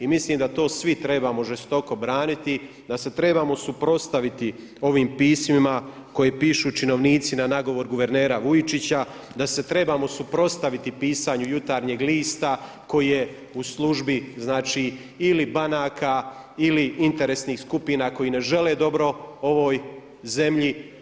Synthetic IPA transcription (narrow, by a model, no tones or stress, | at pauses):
imisliːmd̪at̪o̞ːsʋit̪ɾe̞baːmo̞ʒest̪o̞ko̞bɾaːnit̪i | d̪ase̞t̪ɾe̞baːmo̞supɾo̞st̪aʋit̪i | o̞ʋiːmpiːsmima | ko̞jeːpiːʃut͡ʃino̞ʋniːt̪sinanaɡo̞ʋo̞ɾɡuʋe̞ɾneːɾaʋujit͡ʃit͡ɕa | d̪ase̞t̪ɾe̞baːmo̞supɾo̞st̪aʋit̪ipiːsaɲujut̪aːɾɲeːɡliːst̪a | ko̞jije̞ | uslˠuʒbiznaːt͡ʃiː | ilibanaːkʰa | iliint̪e̞ɾesniːxskupinako̞jiːne̞ʒe̞le̞ːd̪o̞bɾo̞o̞ʋo̞ːj | ze̞mʎi